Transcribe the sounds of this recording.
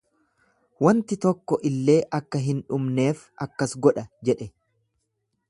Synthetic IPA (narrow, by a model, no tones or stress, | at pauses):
wɐnt̪ɪt̪ɔkːɔʔɪlːe̞ːʔɐkːɐɦɪnᶑʊmne̞ːf | ɐkːɐsɡɔᶑɐd͡ʒɛᶑɛ